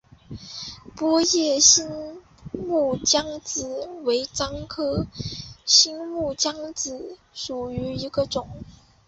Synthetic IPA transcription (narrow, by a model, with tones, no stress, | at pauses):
pwɔ˥jɛ˥˩ɕi˥n | mu˥˩t͡ɕjɑ˥ŋt͡sɹ̩˨˩˦we˧˥ɪt͡sɑ˥ŋkʰɤ˥ | ɕi˥nmu˥˩t͡ɕjɑ˥ŋt͡sɹ̩˨˩˦ | ʂu˨˩y˧˥i˧˥ɡə˧ʈ͡ʂʊ˨˩˦ŋ